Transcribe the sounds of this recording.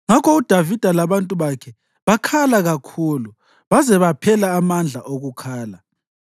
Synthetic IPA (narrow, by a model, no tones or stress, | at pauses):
ŋakʰɔud̥ʱavid̥ʱalaβantʼuβakʰɛ | βakʰalaɣakʰuːlu | βazɛβapʰɛlaːmand͡ɮʱa̰ʔoɣukʰaːla